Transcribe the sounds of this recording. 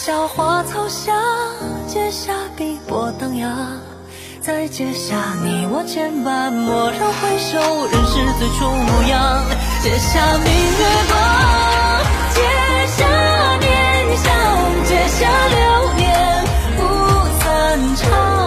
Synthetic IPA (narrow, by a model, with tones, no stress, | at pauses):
ɕjɑ˧˩ʊxwa˧˥t͡sʰɑ˥ʊɕja˧˥t͡ɕjɛ˥ɕja˥pi˧˥pwɔ˨˩t̪ɤ˧ŋja˧ | t͡sa˥˧ɪt͡ɕjɛ˧ɕja˥˩ni˨˩wɔ˧˩t͡ɕʰjɛ˧˥npa˧nmwɔ˨˩ʂɑ˥ŋxwe˥ɪɕo˧˥˨ɻə˧˥nʂɻ̩˥˩t͡s̩˨˧˩ʈ͡ʂʊ˧˥ŋu˧˩jɑ˧˥ŋt͡ɕjɛ˧˩ɕja˧mi˥˩ne˥˧pɔ˧˦ | t͡ɕjɛ˧ | ɕja˧˥ | njɛ˧˩ | nɕɑ˧˥˧ŋt͡ɕjɛ˧˩ɕja˧ljo˧˥njɛ˧˩n | u˧˥sə˧nʈ͡ʂʰɑ˦˧